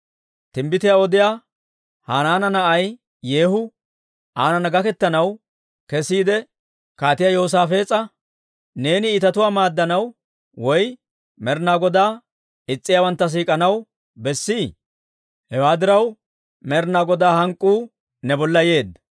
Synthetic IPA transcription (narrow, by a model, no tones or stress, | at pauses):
t̪ɪmbɪt̪ɪjaɔd̪ɪjaː | haːnaːnɐnɐʔɐj | je̞ːhʊ | ʔaːnɐnɐɡɐkɛt̪ːɐnɐw | kɛsiːd̪ɛ | kaːt̪ɪjajo̞ːs̬aːfe̞ːt͡sʼːɐ | ne̞ːnɪːt̪ɐt̪ʊwaːmaːd̪ːɐnɐw | wɔj | mɛɾnaːɡɔd̪aː | ɪt͡sʼːɪjaːwɐnt̪ːɐs̬iːkʼɐnɐw | bɛsːi | hɛwaːd̪ɪɾɐw | mɛɾnaːɡɔd̪aːhɐŋkʼːuː | nɛbɔlːɐje̞ːd̪ːɐ